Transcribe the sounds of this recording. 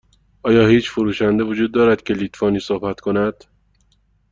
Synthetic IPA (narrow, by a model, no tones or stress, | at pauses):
ʔɒːjɒːhiːt͡ʃʰfoɾuːʃænd̪e̞vod͡ʒuːd̪̚ːɒːɾæd̪̥cʰe̞lit̪fɒːniːsohbæt̪kʰo̞næd̪̥